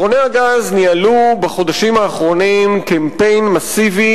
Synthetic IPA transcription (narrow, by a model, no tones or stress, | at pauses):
oneaɡaznialubaχo̞d̪aʃimaːχʁo̞nimkempe̞jnmasivi